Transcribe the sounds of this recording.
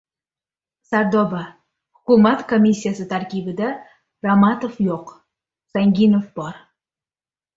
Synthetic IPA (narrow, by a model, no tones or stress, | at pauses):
saɾd̪ɒba | hʊ̥kʊmat̪kʰomʲisʲːijasɪt̪ʰaɾkʲibɪd̪a | ɾamat̪ofjoq | saŋɡʲinofbɒɾ